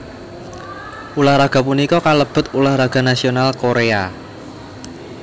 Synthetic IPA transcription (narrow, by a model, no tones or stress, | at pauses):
ʔulahɾaɡ̥a̤punikɔkaləb̥ə̤t̪̚ulahraɡ̥a̤nasionalkoɾea